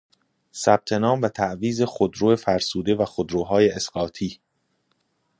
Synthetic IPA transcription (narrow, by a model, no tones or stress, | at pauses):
sæb̥̚t̪ʰe̞nɒːmvæt̪ʰæʔviːze̞xod̪ɾoːefæɾsuːd̪e̞væxod̪ɾoːɦɒːjeʔesɢɒːt̪ʰiː